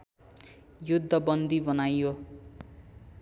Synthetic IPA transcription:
jud̪ʱːʌbʌnd̪ʱibʌnajo

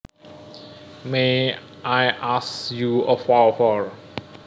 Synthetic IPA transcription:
me | ajʔasjuəfafɔɹ

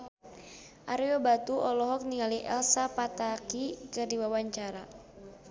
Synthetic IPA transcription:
ʔaɾiɔbat̪uʔɔlɔɦɔk̚niŋaliʔɛ̰lsapat̪akikɨrdiwawaɲt͡ʃaɾa

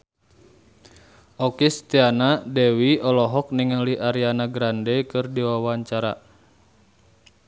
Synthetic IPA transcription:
ʔɔkist̪ianadewiɔlɔɦɔk̚niŋaliʔaɾianaɡɾandɛkɨrdiwawaɲt͡ʃaɾa̰

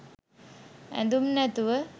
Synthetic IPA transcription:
æ̰nd̪umnæt̪uʋə

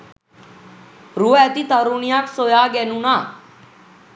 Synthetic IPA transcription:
ɾuːɛːt̪iːt̪aɾuːnijaːksoːjaːɡɛːnũːnaː

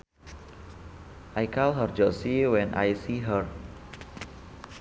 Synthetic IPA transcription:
ʔajkalɦərd͡ʒɔsiwɛ̃nʔa̰jsiɦər

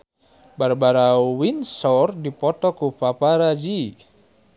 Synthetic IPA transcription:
baɾbaɾawinsɔrdipɔt̪ɔkupapaɾad͡ʒi

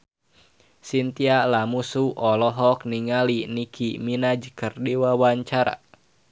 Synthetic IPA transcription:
sint̪ialamusuʔɔlɔɦɔk̚niŋalinikʰiminad͡ʒəkərdiwawaɲt͡ʃaɾa̰

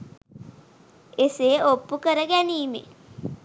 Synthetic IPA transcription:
eseːʔopːukəɾəɡæniːmḛ

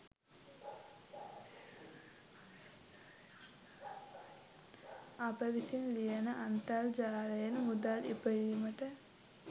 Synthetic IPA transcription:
apəʋisinlijənəʔant̪ald͡ʒaːlejənmud̪alipəɾiːməʈə

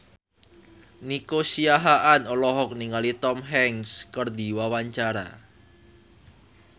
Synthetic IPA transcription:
nikosiaɦaʔanɔlɔɦɔk̚niŋalit̪ɔmɦɛŋskərd̪i̤wawaɲt͡ʃaɾa̰

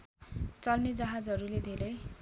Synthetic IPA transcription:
t͡sʌlned͡zaɦad͡zɦʌɾuled̪ʱeɾʌj

